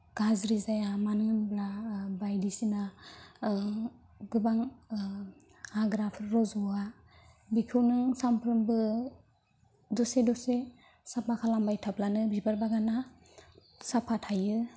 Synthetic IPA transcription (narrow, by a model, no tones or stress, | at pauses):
ɡ̥azɾizajamanɯɯnblabajdisina | ɡɯbaŋ | aɡɾapʰɾɔzɔa | bikʰɯwnɯŋsampʰɾɯmbɯ | dɔsedɔse | sapʰakʰalambajtʰaplanɯbibaɾbaɡana | sapʰatʰajɯ